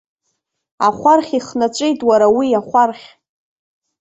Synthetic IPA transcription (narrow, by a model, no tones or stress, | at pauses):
a̰χʷarχʲiχnat͡ʃʷʼejtʼwaɾawiaχʷarχʲ